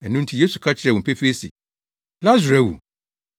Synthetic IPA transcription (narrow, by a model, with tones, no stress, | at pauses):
ɛ˨nũ˦n˦tʰi˨je˦su˨kʰa˦t͡ɕʰɪ˨ɾɛ˨wʊ̃˨pʰæ˦fi˦e˦sḭ˨ | la˦zu˨ɾa˨wṵ˨